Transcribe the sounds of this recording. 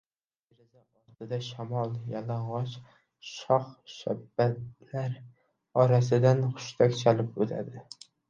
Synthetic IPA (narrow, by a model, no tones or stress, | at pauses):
ɪɾzaɒɾt̪ɪd̪aʃamɒlˠjalaɴʁɑt͡ʃ | ʃɒχʃabːat̪laɾ | ɒɾasɪd̪anχʊ̥ʃt̪ʰakʲt͡ʃʰalɪp̚bot̪ʰa̰d̪ɪ